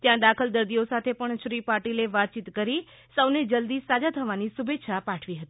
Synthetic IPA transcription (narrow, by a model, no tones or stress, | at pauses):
t̪jãd̪akʰəld̪əɾd̪iosat̪ʰepəɳʃɾipaɾʈileʋat̪̚t͡ʃit̪kəɾi | səʋned͡ʒəld̪isad͡ʒat̪ʰəʋanisubet̪ːʃʰapaʈʰʋiɦət̪i̥